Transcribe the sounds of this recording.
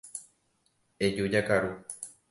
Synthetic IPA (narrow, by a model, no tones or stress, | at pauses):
ed͡ʒud͡ʒakaɾu